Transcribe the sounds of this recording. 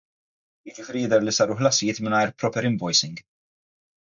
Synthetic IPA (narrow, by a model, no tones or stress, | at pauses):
jɪd͡ʒɪfɪːɾijɪd̪ɛɾlisɐːɾuħlɐsɪjɪːt̪mɪnɐjɾpɾɔpɛɾɪmbɔjsɪŋɡ